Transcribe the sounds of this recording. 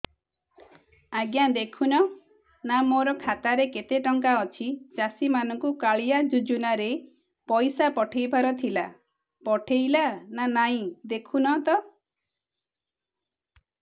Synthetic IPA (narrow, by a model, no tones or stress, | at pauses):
aɡjad̪ekʰunɔ | namoɾɔkʰat̪aɾeket̪eʈɔŋkaɔt͡ʃʰit͡ʃasimanɔŋkukaɭijad͡ʒud͡ʒunaɾe | pɔjsapɔʈʰejbʱaɾɔt̪ʰila | pɔʈʰejlananaɦĩd̪ekʰunɔt̪ɔ